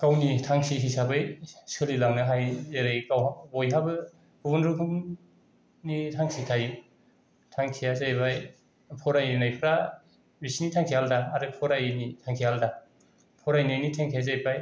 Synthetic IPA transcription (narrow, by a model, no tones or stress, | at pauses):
kawnitʰaŋsiɦisabɯjsɯlilaŋnɯɦajzeɾɯjkawabɔjɦabɯ | bubɔnɾukʰɯm | nitʰaŋsikʰaj | tʰaŋkʰijazajbaj | pʰɔɾajnajpʰɯɾa | bisinitʰaŋkʰihaldaːɾɯpʰɔɾajnitʰaŋkʰihalda | pʰɔɾajnajnitʰeŋkʰijazajbaj